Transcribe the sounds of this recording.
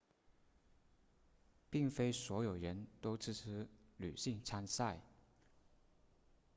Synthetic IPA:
pi˥˩ŋfe˥ɪswɔ˧˥jo˨˩ʊɻə˧˦˥nt̪o˥ʊt͡sʰɻ̩˥˩t͡s̩ʰ˥ly̰˨˩ɕi˥˩ŋt͡sʰa˥nsa˥˩ɪ

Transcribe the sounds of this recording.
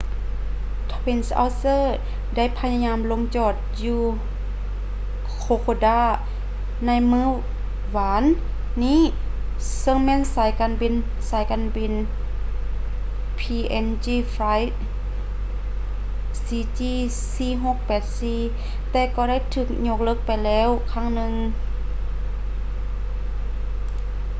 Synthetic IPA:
t̪ʰɔ˧pi˧˨nsʔa̰˧wsɤː˧˥˨ | da˥˩˨jpʰa˧ɲa˧ɲaː˧˥mlo˧˥ŋt͡ɕɔː˧˩t̪̚juː˧ | kʰoː˧˦kʰoː˧daː˧˥˩ | na˧˥jmɯː˧˥˨ | waː˨˦nː | iː˧˥˨ | sɤ˧˥˨ŋmɛː˧˥˨nsaː˨˦jkaː˨˧˨nbi˧˨n | saː˨˦jkaː˧˨nbi˨˧˨n | pʰiː˧ʔɛ˧˥nt͡ɕiː˧˩fa˧˥jt̪̚ | siː˧t͡ɕiː˧˩ | siː˧ɦo˧˦k̚pɛː˨˩t̪̚siː˧˨ | t̪ɛː˧˩kɔː˧˩da˧˥˨jt̪ʰɯː˧˩k̚ɲo˧˩k̚lɤː˧˥˩k̚pa˨jlɛː˧˥˨wkʰaː˧˥˩ŋnɯ˧ŋ

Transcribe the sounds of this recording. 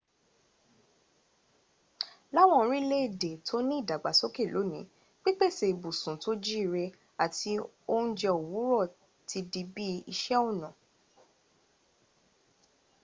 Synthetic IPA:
la˦w̃ɔ̃˧ɾ̃ĩ˦le˦˨de˨tʰo˦nĩ˦i˦˨da˨ɡ͡ba˨so˦ke˦˨lo˨˦nĩ˨˦ | k͡pi˦k͡pe˦˨se˧˨i˨bu˨sũ˨to˦d͡ʒi˦˧ɾe˧ | a˨ti˧ | o˦n̩˦d͡ʒɛ˧o˨wu˨˦ɾɔ˦˨ | ti˧di˧bi˦i˧ʃɛ˦o˦˨nɔ̃˨

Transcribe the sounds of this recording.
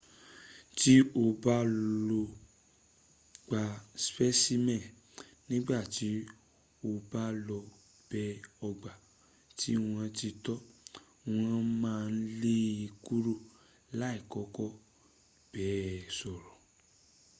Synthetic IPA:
ti˦o˧ba˦lo˧ | ɡ͡ba˧spɛ˦si˦mɛ̃˦˨ | nĩ˦ɡ͡ba˦˨ti˨˦ | o˧ba˦lɔ˧ | b̥ɛ˧˦ɔ˧ɡ͡ba˨ | ti˦w̃ã˧ti˧tɔ˦ | w̃ã˧mãː˦˧n̩˦le˦i˧ku˦ɾo˦˨ | la˨˦i˦˨kɔ˨˦kɔ˦ | b̥ɛ˨˦sɔ˨ɾɔ˨

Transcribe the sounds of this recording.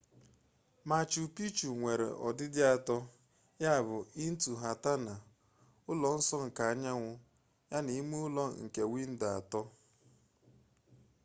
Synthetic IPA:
ma˨t͡ʃu˨pi˦t͡ʃu˨ŋʷe˨ɾḛ˨ʔɔ̰˨dɪ˦dɪ˦a˨tɔ˦ | ja˦a˨βʊ˨i˦n̩˦tu˨ɦa˨ta˦na˨ | ʊ˦lɔ˨n̩˦sɔ˦ŋ̩˨ka˨a˦ɲa˦ŋʷʊ˦ | ja˦ni˨˦mu˦ʊ˦lɔ˦˨ŋ̩˨ke˨wi˦n̩˦da˨a̰˨tɔ˦

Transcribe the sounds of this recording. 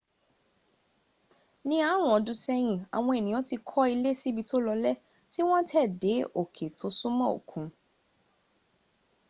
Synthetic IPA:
nĩ˧a˨˦w̃ɔ̃˨˦dũ˨˧sɛ˦j̃ĩ˨a̰˨w̃ɔ̃˧e˨nĩ˨ɔ̃˨˦ti˧kʰɔ˦i˧le˦si˦bi˧to˦lɔ˧lɛ˦ | ti˦w̃ɔ̃˦tʰɛ˦˨de˨˦o˨kʰe˨tʰo˨˦su˦mɔ̃˦˨o̰˨kʰũ˨˦

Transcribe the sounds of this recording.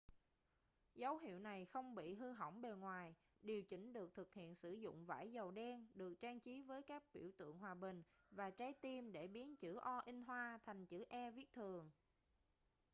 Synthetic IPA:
zə˨˦wɦḭ˧˨əwna˨˩jxə˧wŋ͡mɓḭ˧˨ɦɨ˧ɦə̰˧˩wŋ͡mɓe˨˩ŋwaː˨˩j | ɗi˨˩əwt͡ɕï˧˥˩ŋ̟ɗɨ˨˩ək̚t̪ʰɨ˨˩k̚hḭ˧˨ənsɨ˧˩zʊ̰˧˨ŋ͡mva̰ː˧˩jzə˨˩wɗɛ˧nɗɨ˨˩ək̚t͡ɕaː˧ŋt͡ɕi˨˦vəː˨˦jkaː˦˥k̚ɓḭ˧˩əwt̪ɨ̰˧˨əŋɦwaː˨˩ɓï˨˩ŋ̟vaː˨˩t͡ɕaː˨˦jt̪i˧mɗe˧˩ɓi˨˦ənt͡ɕɨ˧˩ʔɔ˧ʔi˧ŋ̟ɦwaː˧t̪ʰa˨˩jŋ̟t͡ɕɨ˧˩ʔɛ˧vi˦˥ək̚t̪ʰɨ˨˩əŋ

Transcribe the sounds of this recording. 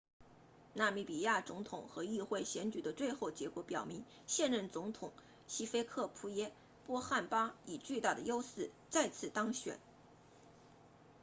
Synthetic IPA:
na˥˧mi˥˩pi˨˩ja˥˩t͡sʊ˧˥ŋt̪ʰʊ˨˩˦ŋxɤ˧˥i˥˧xwe˥˩ɪɕjɛ˧˥nt͡ɕy˨˩d̪ə˦t͡swe˥˧ɪxo˥˩ʊt͡ɕjɛ˧˥kwɔ˧˥pjɑ˨˩ʊmi˧˥ŋ | ɕjɛ˥˧nɻə˥˩nt͡sʊ˧˥ŋt̪ʰʊ˨˩˦ŋ | ɕi˥fe˥ɪkʰɤ˥˩pʰu˧˥jɛ˥ | pwɔ˥xa˥˩npa˥i˨˩t͡ɕy˥˧t̪a˥˩d̪ə˩jo˥ʊsɹ̩˥˩ | t͡sa˥˧ɪt͡sʰɹ̩˥˩t̪ɑ˥ŋɕɥɛ̰˨˩˦n

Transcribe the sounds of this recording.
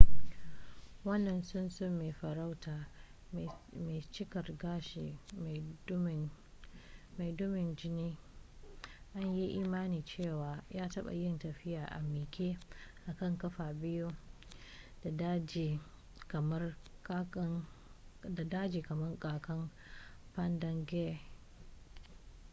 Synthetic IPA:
wɐ˦nːɐ˨nsʊ˦nsʊ˦˨mːeː˨ɸɐ˨ɾa˦wtaː˨ | me˨t͡ʃɪ˦kɐ˨rɡaː˦ʃeː˨m˨˦m˨ | ma˨jdʊ˦mɪ˨nd͡ʒɪ˦niː˦ | ʔa˦ɲji˦ʔiː˦maː˦niː˨t͡ʃeː˦˨waː˨jaː˦tɐ˦ɓa̰˨jɪ˦ntɐ˨ɸɪ˦jaː˨ʔa̰˨mɪː˨kʲeː˦ʔa˨kɐ˦˨ŋkɐ˦ɸaː˨bɪ˦ju˦ | d̥a˨da˦d͡ʒi˨ | kɐ˨mɐ˦r | da˨daː˦d͡ʒiː˨kɐ˨mɐ˦rkʼaː˨kɐ˦m | ɸɐ˦ndɐ˦ŋɡɛ˦˨

